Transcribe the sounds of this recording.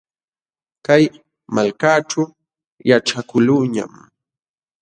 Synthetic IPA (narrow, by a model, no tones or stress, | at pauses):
kaj | malkaːʈ͡ʂa | jaʈ͡ʂakʊlʊɲa̰m